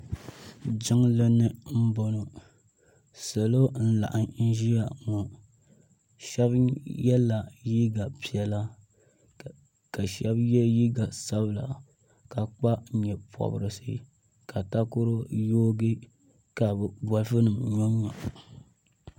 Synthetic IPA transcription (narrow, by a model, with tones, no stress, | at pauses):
d͡ʒɪ˦ŋlɨ˦nɨ˦m̩˦bo˦no˨ | sa˨lo˦n̩˦la̰˨ʔa˨ŋn̩˦ʒi˦ja˨ŋɔ˨ | ʃɛ˦bjɛ˦la˨ji˦ɡa˨pi˨ɛ˨la˦ | ka˨ʃɛ˦bjɛ˦ji˦ɡa˨sa˦bla̰˨ | ka˨k͡pa˦˨ɲɛ˨pʰɔ̰˨bɨ˨ɾɨ˨sɨ̰˦ | ka˨ta˦kʊ˦ɾo˦joː˦ɡɨ˦ | ka˨bba˦lfɨ˦nɨ˨mɲo˦ɲɔ˨